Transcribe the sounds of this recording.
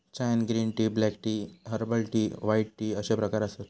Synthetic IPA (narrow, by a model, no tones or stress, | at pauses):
t͡ɕajnɡɾiːnʈiːblɛkʈiːɦəɾbəlʈiːʋajʈʈiːəɕepɾəkaɾəset̪